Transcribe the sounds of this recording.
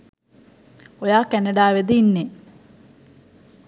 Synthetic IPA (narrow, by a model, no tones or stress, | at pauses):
ojaːkːɐnɐɖaːʋed̪inːe